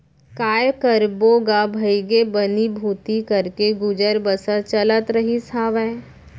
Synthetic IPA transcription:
kaːjkəɾboːɡabʱəɪɡebənibʱuːt̪ikɐɾkeɡʊd͡ʒəɾbəsət͡ʃələt̪ɾəɦisaːʋɛː

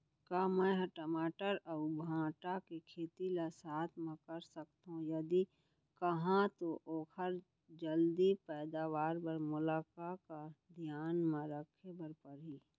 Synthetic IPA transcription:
kaːmɛ̃ɦəʈəmaːʈəɾaʊbʱãːʈakekʰeːt̪ilasaːt̪ʰmẽkɐɾsəkt̪ɦũjɐd̪i | kɐɦãt̪oʔoːkʰəɾ | d͡ʒəld̪ipɛːd̪aːʋaːɾbɐɾmʊlaːkakad̪ʱjaːnmãɾəkʰebəɾpəɾiː

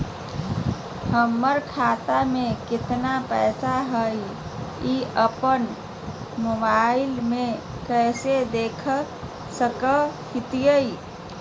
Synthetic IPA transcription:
həmːəɾkʰat̪amekɪt̪napəːsaɦəj | iʔəpən | mobaɪlme | kəsed̪ekʰ | səkəhit̪ijəj

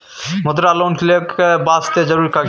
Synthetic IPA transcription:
mʊd̪ɾaːloːnklekbaːst̪ed͡ʒəɾuːɾika

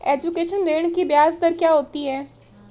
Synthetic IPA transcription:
eːd͡ʒukeːʃənɾeːɽ̃kibjaːzd̪əɾkjaːɦoːt̪iɦɛː

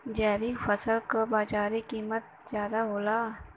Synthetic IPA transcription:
d͡ʒɛːʋikfəsəlkabaːd͡ʒaːɾikiːmət̪̚zjaːd̪aɦoːlaː

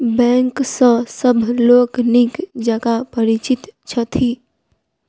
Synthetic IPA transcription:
bɛ̃ːŋksə̃səbʱloːknɪkd͡ʒəɡapɐɾɪt͡ʃɪt̪t͡ʃʰɐt̪ʰiː

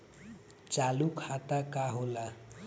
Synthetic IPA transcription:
t͡salukʰat̪akaɦola

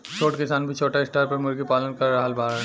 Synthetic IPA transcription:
t͡ʃʰoːʈkɪsaːnbʱit͡ʃʰoːʈaɪsʈaːɾpɐɾmʊɾɡipaːlənkɐɾːɐɦalbʱaːɾ

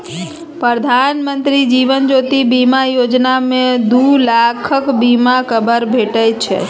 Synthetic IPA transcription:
pɾəd̪ʱanmənt̪ɾid͡ʒiʋənd͡ʒot̪ibimajod͡ʒnamẽd̪ulakʰəkbimakʰəbəɾbʱeʈəjt͡ʃʰḛ

